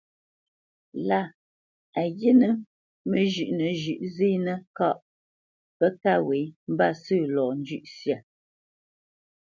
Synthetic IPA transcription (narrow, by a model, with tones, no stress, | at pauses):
la˦˨ | a˨je˦nə˨ | mə˦ʒʉ˨ʔnə˨ʒʉ˨ʔzi˦nə˦ka˦ʔ | pə˦ka˦˨we˨˦m̩˦ba˦˨sɨ˦˨lɔː˨n˦d͡ʒʉ˦ʔsja˨